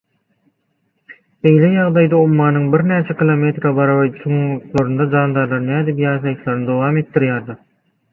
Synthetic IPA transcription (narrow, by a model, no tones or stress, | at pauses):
be̞jlejɑʁd̪ɑjd̪ɑomːɑːnɯŋbiɾnæːt͡ʃʰekilˠome̞t̪ɾɑbɑɾɑβɑsoŋŋut̪lˠoɾund̪ɑd͡ʒɑːnd̪ɑɾlˠɑɾɯnæːd̪ipjɑːʃɑjɯt̪lˠɑɾnɯd̪o̞wɑːme̞t̪ːiɾjæːɾd̪ɑɾ